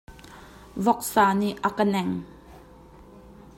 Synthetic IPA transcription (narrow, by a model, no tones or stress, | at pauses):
vɔk̚saːniʔakənɛŋ